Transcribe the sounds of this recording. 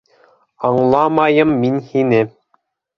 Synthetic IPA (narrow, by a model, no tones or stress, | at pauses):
ɑɴlˠɑmɑjɤmːinhinɘ